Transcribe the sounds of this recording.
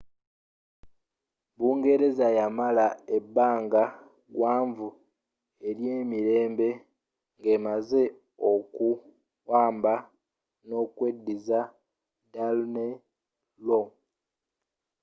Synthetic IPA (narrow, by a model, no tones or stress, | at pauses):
βuːŋɡe̞ɾe̞zajamalae̞bːaːŋɡa | ɡwaːɱvu | e̞ɾje̞ːmiɾe̞ːmbe̞ | ŋɡe̞maze̞ | oku | waːmba | no̞kwe̞dːiza | dalne | lo